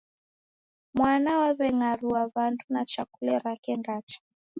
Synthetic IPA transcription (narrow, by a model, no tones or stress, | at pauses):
mwanawaβɛŋaɾuwaβandunat͡ʃakulɛɾakɛnɡat͡ʃḁ